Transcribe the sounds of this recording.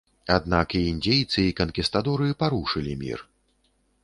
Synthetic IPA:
ad̪̚nakiinʲd͡zʲejt̪sɨikɐnkʲist̪ad̪ɔɾɨjipaɾuʂɨlʲimʲḭr

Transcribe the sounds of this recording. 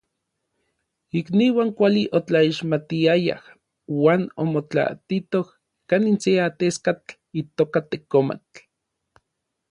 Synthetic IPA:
ikniwaːŋkʷaliʔot͡ɬaiʃmat̪iaja̰h | waːno̰mot͡ɬa̰t̪it̪oh | kaninseat̪eskat͡ɬ | it̪oːkat̪ekoma̰t͡ɬ

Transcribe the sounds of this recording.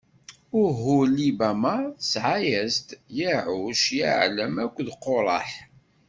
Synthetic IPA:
ʊɾɦʊlibæmasʕajæzt̪jiʕʊʃja̰ʕləmækʷːðqːoɾˤɑ̰ħ

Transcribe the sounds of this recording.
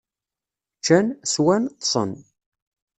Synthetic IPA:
t͡ʃːænswænt̪ˤsˤə̰n

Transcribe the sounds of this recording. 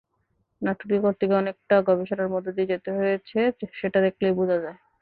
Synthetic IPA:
naʈʰuɾikoɾt̪ʰikeɔnek̚ʈaɡɔbeʃonaɾmɔd̪ʱːod̪ied͡ʑet̪eɦojet͡ɕʰeʃeʈad̪ekʰlejbud͡ʑʱad͡ʑae

